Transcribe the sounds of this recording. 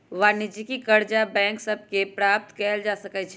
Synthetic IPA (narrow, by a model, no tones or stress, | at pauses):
ʋaːnɪd͡ʒikikɐɾd͡ʒabɛ̃ːŋksɐb̚kepɾaːp̚t̪kɛɦld͡ʒaːsəkət͡ʃʰ